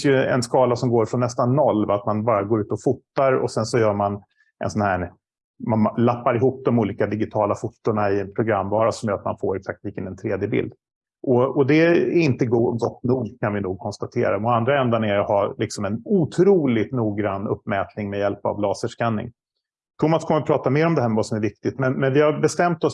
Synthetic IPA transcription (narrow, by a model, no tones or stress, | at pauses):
fɪnsjɵɛ̰nskɑːlasɔmɡoːɾfɾɔnːɛst̪anːɔlːvaat̪manbɑːɾaɡoːɾʉ̟ːt̪ɔfut̪ːaɾɔ̰sɛnsɔjœːɾman | ʔɛ̰nsɔnhæ | manlapːaɾɪɦuːp̚d̪ɔmuːliːkad̪ɪɡɪt̪ʰɑːlafut̪ːʊɳaɪɛnpʰɾʊɡɾamːvɑːɾasɔmjœɾat̪ma̰nfoːɾɛksak̚t̪viːkənɛnt̪ʰɾeːd̪jəbɪ̰ld̪ | ʔɔɔd̪ɛæɾɪnt̪əɡuɡɔt̪ːnuːɡkʰanvɪnuːɡ̚kʰɔnst̪at̪ʰḛːɾamɔand̪ɾaɛnd̪anæɾhalɪksɔmɛnut̪ʰɾuːlɪt̪nuːɡɾanːɵ̰pːmɛːt̪nɪŋmɛjɛlpa̰vlɑːsəʂkanːɪ̰ŋ | t̪ʰumaskʰɔmːəɾɔpʰɾɑːt̪ameːɾɔmd̪ɛhæːɾmɛvasɔmæɾvɪk̚t̪ɪt̪mɛnmɛnvɪhaɾbɛst̪ɛmt̪ɔs